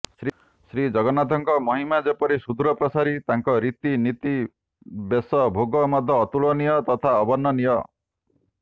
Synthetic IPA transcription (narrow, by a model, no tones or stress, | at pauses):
sɾi | sɾid͡ʒɔɡɔnat̪ɔŋkɔmɔɦimad͡ʒepɔɾisud̪uɾɔpɾɔsaɾit̪aŋkɔɾit̪init̪i | besɔbʱoɡɔmɔd̪ʱːjɔːt̪uɭɔnijɔt̪ɔt̪ʰaɔbɔnːɔnijɔ